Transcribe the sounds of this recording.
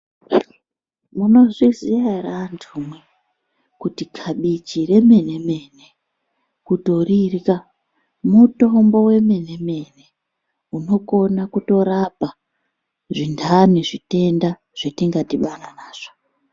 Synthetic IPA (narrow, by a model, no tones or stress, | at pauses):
muno̞ʐiziarantʰumwe | kutikʰaɓit͡ʃiɾe̞me̞ne̞me̞ne | kuto̞rirka | muto̞mbo̞we̞me̞ne̞me̞ne̞ | uno̞ko̞nakuto̞ɾapa | ʐindʰʱaniʐite̞nda | ʐ̥etiŋɡatiɓananaːʐ̥o